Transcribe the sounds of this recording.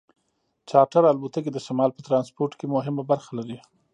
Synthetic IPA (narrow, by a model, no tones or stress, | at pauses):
t͡ʃɑʈaɾalbut̪aked̪əʃamɑlpət̪ɾɑnspoɾʈkemʊɦɪmabaɾxalaɾi